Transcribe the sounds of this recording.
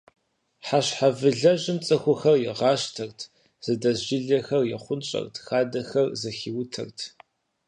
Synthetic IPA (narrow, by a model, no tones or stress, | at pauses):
ħaɕħavɨɮɐʒɪmt͡sʼɐxʷʊxɐrjɛʁɑːʃtʰɐrtʰ | z̥ɨdɐzʒiɮɐxɐrjɛχʷʊnt͡ʃʼɐ̰rtʰxaːdɐxɐrzɨxiːwtʰɐ̰rtʰ